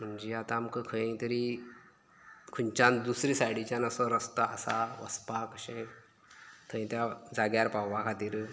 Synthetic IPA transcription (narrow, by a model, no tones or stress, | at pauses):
m̤əɳd͡ʑeat̪ãːmkəkʰə̃ẽt̪əɾi | kʰunt͡ɕãnd̪usɾisajɽit͡ɕjanəsɔɾəst̪aə̰saʋə̰spakəɕẽ | t̪ʰə̃j̃t̪jad͡zaɡjaɾpawʋakʰat̪iːɾ